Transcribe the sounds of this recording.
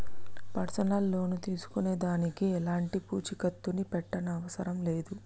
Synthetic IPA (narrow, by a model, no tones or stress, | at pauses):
pɐɾsɐnalːo̞ːnut̪iːsu̥kune̞ːd̪aːnikiɛlaːɳʈipṵːt͡ʃikɐt̪ːunipɛʈːɐnɐːʋɐsɐɾɐmle̞ːd̪u